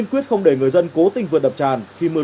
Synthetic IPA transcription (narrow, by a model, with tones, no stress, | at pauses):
ənkwi˦˥ət̚xə˧wŋ͡mɗe˧˩ŋɨ˨˩əjzə˧nko˨˦t̪ï˧ŋ̟vɨ̰˨n̚ɗə˨˩p̚t͡ɕaː˨˩nxi˧mɨ˧ə